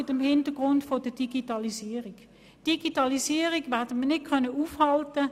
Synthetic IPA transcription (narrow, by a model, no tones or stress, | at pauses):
ɪtəmhɪntəɡ̥ʁʊntfodəd̥iɡ̥itɑlisiːʁik | d̥iɡ̥itɑlisiːəʁiɡʋɛʁdəmənɪt̚kʰœnəuːfhɑltə